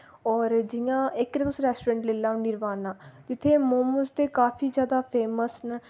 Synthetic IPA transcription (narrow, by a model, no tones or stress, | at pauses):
ɔːɾd͡ʒɪjãːɪkɾẽt̪ʊsɾɛːsʈoːɾẽːɳʈleːlãːʊnɪɾʋaːnãːd͡ʒɪt̪ʰːeːmoːməst̪eːkaːfʰiːzjaːd̪aːpʰeːməsn